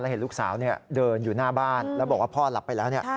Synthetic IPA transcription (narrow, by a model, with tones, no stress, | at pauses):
la˧whe˨˦luː˥˩k̚saː˩˦wni˥˩ɐdɤː˧njuː˨˩naː˥˩baː˥˩nlɛː˦˥bɔ˨˩k̚waː˥˩pʰɔː˥˩la˨˩pːa˧jlɛː˦˥wni˥˩ɐ